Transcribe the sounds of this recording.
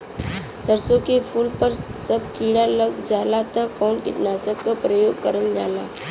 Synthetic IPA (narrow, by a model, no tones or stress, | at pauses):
səɾsõkepʰuːlpəɾsɐb̚kiːɽaləɡd͡ʒaːlat̪akɔːnkɪ̰ʈnaːsəkːapɾəjoːɡkəɾəld͡ʒaːlaː